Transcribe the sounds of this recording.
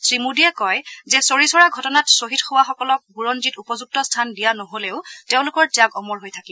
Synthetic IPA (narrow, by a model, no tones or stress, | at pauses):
sɹimudiɛkɔjzɛsoɹisɔɹaɡʱɔtɔnatsoɦitxowaxɔkɔlɔk̚buɹɔnzitupɔzuk̚tɔstʰandijanɔɦoleʊteʊ̃lʊkɔɹtijakɔmɔɹɦojtʰakibɔ